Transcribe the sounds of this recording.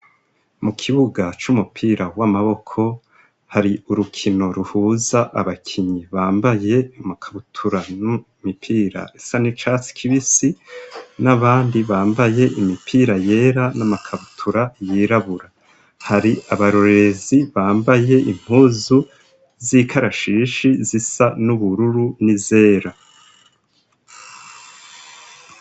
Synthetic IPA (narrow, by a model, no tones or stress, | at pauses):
mukʰiβuɡat͡ʃumupʰiːɾawamaβo̞kʰo̞ | haɾiuɾukʰino̞ɾuhuːzaʔa̰βakʰiɲiβaːmbaje̞umakʰaβutʰuɾanu | mipʰiːɾa̰esanit͡ʃasi̥kʰiβisinaβaːndiβaːmbaje̞ʔimipʰiːɾaje̞ːɾanamakʰaβutʰuɾajiːɾaβuɾa | haɾiaβaɾoɾe̞ziβaːmbaje̞ʔim̥huːzu | zikʰaɾaʃiːʃizisanuβuɾuɾunize̞ːɾa